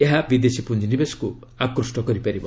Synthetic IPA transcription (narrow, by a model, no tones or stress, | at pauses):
eɦabid̪esipund͡ʒɔnibesɔ̥kuakɾusʈɔkɔɾipaɾibɔ